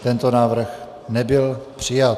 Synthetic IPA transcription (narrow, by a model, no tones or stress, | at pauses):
t̪ɛnt̪onaːvr̩x | nɛbɪlpr̝̥ɪja